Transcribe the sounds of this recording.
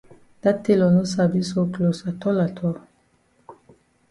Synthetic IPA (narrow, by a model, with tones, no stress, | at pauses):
d̥a˦tːe˦lɔ˨no˦s̬a˨bi˦so˦klo˨sa˨tʰɔ˦la˨tʰɔ˦